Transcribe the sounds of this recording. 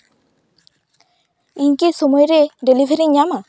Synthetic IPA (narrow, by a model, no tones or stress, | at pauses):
iɲkisomɔjɾeɖelibʱeɾiɲːama